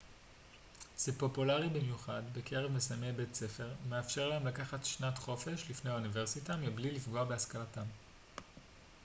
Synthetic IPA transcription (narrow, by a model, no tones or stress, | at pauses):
z̥epo̞pulaʁibimjuχadbe̞kʰe̞ʁevmesajmebe̞tt͡se̞fe̞ʁme̞afʃe̞ʁlaemlakaχatʃnatχo̞fe̞ʃlifneaunive̞ʁsitamiblilifɡo̞abe̞askalatam